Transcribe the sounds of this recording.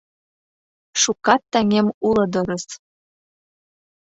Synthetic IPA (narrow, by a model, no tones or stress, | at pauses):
ʃukɑt̪ːæŋʲemulˠɤ̆d̪ɤ̆ɾɤ̆s